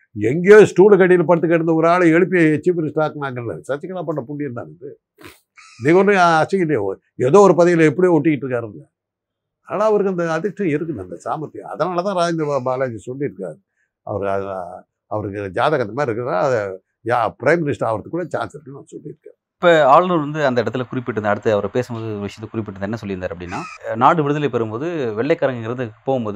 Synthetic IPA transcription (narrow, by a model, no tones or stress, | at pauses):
ɛŋɡejoːsʈuːlkɐʈːɪjɪlpɐɽɯt̪ːɯk̬ːɛɽɐnd̪ɐɔɾaːlɯɛɻɯpːijɐt͡ʃiːʋɪnɪsʈɐɾaːknaːkːɐnlɐ̰sɐt͡ʃːɐkːɐɭapːɐɳːɐpʊɳɖɪɾnːa̰ːndɯ | niːŋɐɔndɯɐt͡ʃːɐɪljo | ɛðoːɔɾɯpɐðɐjɪlɛpːɐɽijoːɔʈːɪkːɪʈːɾɯkːaːɾɯnlɐ | na̰ːlaɐʋɐɾɯkːɐnd̪ɐːðɪʂʈːɐ̃ɪɾɯk̬ːɯnd̪ɐnd̪ɐsa̰ːmɐt̪ːiɐ̰ðɐnaːlɐt̪ãːɾaːd͡ʒɐnd̪ɐbaːlaːd͡ʒisɔlːiɾɯkːa̰ːɾ | ɐ̰ʋɐɾkɐ | ɐʋɐɾɯkːɯd͡ʒaːðɐkɐnd̪ɐmaːɾɪɾɯkːɐɾnːað | pɪɾɐɪmːɪnɪsʈɾaɐʋɐɾɐt̪ːɯkːuːɽɐt͡ʃa̰ːnsɐɾnːɐnasɔlːiɾɯkːɐ̰ | ɪpːoːaːɭnuɭʋɐnd̪ɯɐnd̪ɐɪɽɐt̪ːɪlkʊɾɪpːɪʈ̬ːɯnd̪ɐɽɯt̪ːɯɐʋɐɾpeːsɯmpoːðɯʋɪʂɪjɐt̪ːɛkʊɾɪp̬ːɪʈːɯnd̪ɐɛnːɐsɔlːɪɾɯnaːɾɐpːɐɽɪnːaːnaːɽɯʋɪɽɯðɐlepɐɾɯmpoːðɯʋɛɭːɛɪkːɐɾɐŋɡɐŋɡɪɾɐnd̪ɯpoːɣɯmpoːðɯ